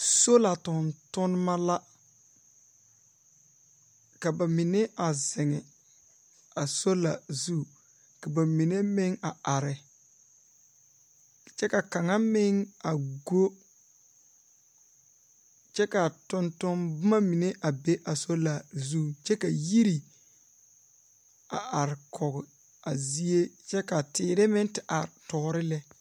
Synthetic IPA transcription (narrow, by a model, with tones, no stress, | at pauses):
so˦la˨tʊ˨ntʊ˦n˦ma˦la˦ | ka˨ba˨mi˨ne˦ʔa˨zɪ˨ŋɪ˨ | a˨so˦la˨zu˦ | ka˨ba˨mi˨ne˦mɪ˦ŋa˨a˨ɾɪ˨ | t͡ʃɛ˦ka˨ka˨ŋa˦mɪ˦ŋa˨ɡo˦ | t͡ʃɛ˦ka˨tʊ˦ntʊ˦mbʊ˦ma˦mi˨ne˦ʔa˨be˦ʔa˨so˦la˨zu˦t͡ʃɛ˦ka˨ji˦ɾi˨ | a˨ʔa˨ɾɪ˨kʰɔ˨ɣɪ˨ | a˨zi˦e˦t͡ʃɛ˦ka˨tɪː˨ɾɪ˦mɪ˦ŋtɪ˨ʔa˨ɾtɔː˨ɾɪ˦lɛ˦